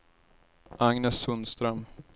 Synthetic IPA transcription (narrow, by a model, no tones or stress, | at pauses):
ʔaŋnɛsːɵnst̪ɾœm